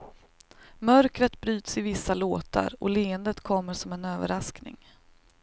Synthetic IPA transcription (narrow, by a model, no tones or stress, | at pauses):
mœɾkɾət̪bɾyːt̪sɪvɪsːaloːt̪a̰ɾɔleːənd̪ət̪kʰɔmːəʂɔmɛnøːvə̰ɾasknɪ̰ŋ